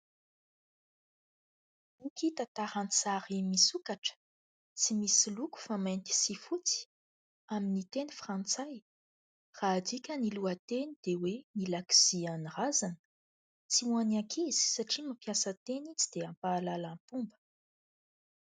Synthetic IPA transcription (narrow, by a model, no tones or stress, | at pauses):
ukit̪at̪aɾant͡saɾimisukaʈ͡ʂə̥ | t͡simisiluku̥famant̪i̥sifut͡si̥ | aminit̪enifrant͡saj | raːd̪ikʲəniluət̪enid̪̥ewenilaki̥zianirazanə̥ | t͡siuanakʰizi̥saʈ͡ʂimapjasət̪enit͡sid̪̥eampaːlalapumbə̥